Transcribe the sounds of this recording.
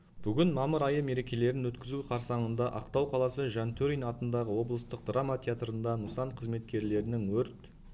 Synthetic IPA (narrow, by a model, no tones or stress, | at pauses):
b̥ʏɡʲɪnmɑməɾɑjəme̞ɾe̞kʲe̞le̞ɾɪnwɵt̪kʲɪzuqʰɑɾsɑɴənd̪ɑʔɑqt̪ɑwqʰɑlˠɑsəʒɑnt̪ʰɵɾijnɑt̪ənd̪ɑʁəwo̞blˠəst̪əq̚d̪ramat̪ʲʰeat̪ɾənd̪ɑnəsɑɴqʰəzme̞t̪kʲe̞ɾle̞ɾɪnɪŋwɵɾt̪